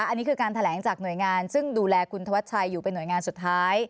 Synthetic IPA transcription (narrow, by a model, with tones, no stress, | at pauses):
ʔa˧nːiː˦˥kʰɯː˧kaː˧nt̪ʰa˧lɛː˩˦ŋt͡ɕaː˨˩k̚nu˨˩əjŋaː˧nsɯ˥˩ŋduː˧lɛː˧kʰu˧nt̪ʰa˧wa˦˥t̪̚t͡ɕʰa˧jːuː˨˩pe˧nːu˩əjŋaː˧nsu˨˩t̪̚ʰːaː˦˥j